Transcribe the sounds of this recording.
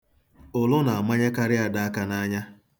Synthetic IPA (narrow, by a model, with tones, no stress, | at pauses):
ʊ˨lʊ˦na˨a˨ma˦ɲe˦ka˦ɾɪ˦a˨da˨a˦ka˨na˦ɲa˦